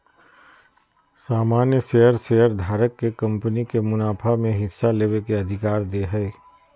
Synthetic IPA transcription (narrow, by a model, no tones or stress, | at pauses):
saːmaːnjəseːəɾsejəɾd̪ʱaːɾəkːekɐ̃mpənikemʊnaːpʰamẽɦɪsːaleːʋekeɐd̪ʱɪkaːɾd̪eɦɛː